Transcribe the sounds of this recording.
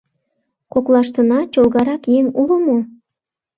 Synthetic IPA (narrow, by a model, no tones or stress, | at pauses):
koklˠɑʃt̪ənɑt͡ɕolˠɣɑɾɑkjeŋuləmo